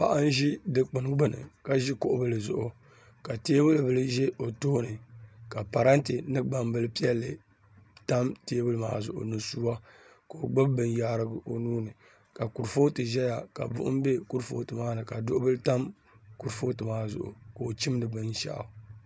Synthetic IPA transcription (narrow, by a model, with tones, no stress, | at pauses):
pa̰˨ʔa˦n˦ʒi˦dɨ˦k͡pɨ˨nɡ͡bɨ˦nɨ̰˨ka˨ʒi˦kʊ˦ʔʊ˦bɨ˦lɨ˨zʊ̰˨ʔʊ˨ | ka˨teː˦bɨ˦lɨ˨bɨ˨lɨ˦ʒɛ˦o˨toː˦nɨ˨ka˨pa˨ɾa˦ntɨ˨nɨ˦ɡ͡ba˨mbɨ˦lɨ˦pi˦ɛ˦lːɨ˨ | ta˦mteː˦bɨ˦lɨ˦ma̰ː˦zʊ̰˨ʔʊ̰˨nɨ˨su˦wa˦ko˨o˨ɡ͡bɨ˦bbɨ˨n˦jaː˦ɾɨ˦ɡɨ˨ʔo˨nuː˦nɨ˨ | ka˨ku˨ɾfo˦tɨ˨ʒɛ˦ja˨ka̰˨bʊ̰˦ʔʊ̰˦m˦be˦ku˦ɾfo̰˦tɨ˨maː˦nɨ˨ka˨dʊ˦ʊ˦bɨ˦lɨ˦ta˦m | ku˦ɾfo˦tɨ˨maː˦zʊ̰˨ʔʊ̰˨koː˨t͡ʃi˦m˦nɨ˨bɨ˦nʃa̰˦ʔ